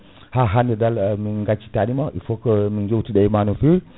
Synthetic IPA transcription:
haɦandədalmiŋɡat͡ʃi̥tanimaʔḭfokəmind͡ʒeutidaimanufiɾ

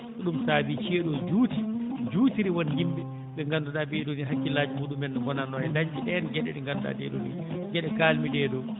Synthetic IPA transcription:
ɗumsaːbit͡ʃɛɗɔd͡ʒuːtid͡ʒutiɾiwɔnɡimbɛ | ɓɛŋɡanduɗabedoniɦakːilaːd͡ʒumuːɗumːɛnːɔɡɔnanːɔjɛdaɲd͡ʒiɗɛnɡɛɗɛ̰ɗɛŋɡandɔɗa̰bḛdo̰nḭ | ɡɛɗɛkaːlmiɗɛːdɔ

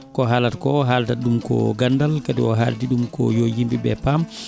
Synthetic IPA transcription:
kɔɦalatkɔɦaːltaɗumkɔ̰ɡandalkadḭwɔɦaldiɗumkɔ̰jojimbibɛpam

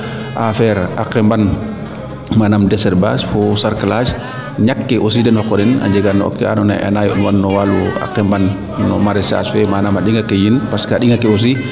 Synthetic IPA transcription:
ʔafɛɾa̰qɛmban | manamdɛsɛɾba̰sfɔsaɾklas | ɲakːɛʔos̬idɛnhɔkːɔdɛna̰d͡ʒɛɡanːɔɔ̰kːɛa̰nɔna̰ʔɛ̰najɔmwanːɔwalṵa̰kɛmbanː | ɔ̰maɾɛsa̰sfɛmanamaɗiŋɡakːɛjinpaskaɗiŋɡakːɛos̬i

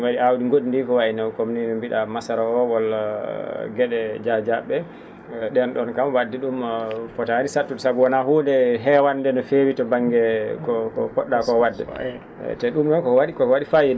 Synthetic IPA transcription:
waɗiawdiŋɡoɗindikɔwainakomninɔmbiɗamasaɾaɔwɔl | ɡɛɗɛd͡ʒad͡ʒaɓɛ | ɗɛnɗɔnkamwadːiɗumfɔtanisatːuɗɔsabuwɔnahuːndɛɦɛwandɛnɔfewitɔbaŋɡɛkɔkɔpɔɗːakɔwadːɛ̰ | tɛɗumɗɔnkɔwaɗikɔwaɗifaji

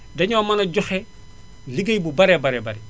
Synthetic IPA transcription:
dɐɲoːmɐnɐɟoxe | liɡejbubɐɾebɐɾebɐɾe

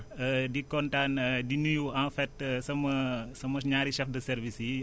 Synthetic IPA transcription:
ədikɔntandinujuãfɛtsɐməsɐmɐsɲaɾiʃɛfdəsɐɾʋisi

